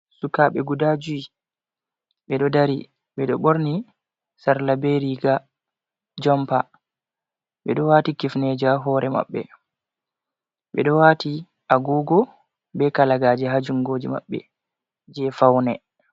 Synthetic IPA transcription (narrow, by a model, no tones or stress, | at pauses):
sukaɓɛɡudad͡ʒui | ɓɛɗɔdaɾi | ɓɛɗɔɓoɾni | saɾlabeɾiɡa | d͡ʒɔmpa | ɓɛɗɔwaːtikifned͡ʒaɦɔːɾʔɛma̰ɓːɛ̰ | ɓɛ̰ɗɔwaːti | aɡɔːɡɔ | bɛkalaɡaːd͡ʒɛɦad͡ʒuŋɡoːd͡ʒima̰ɓːɛ̰ | d͡ʒɛfawnɛ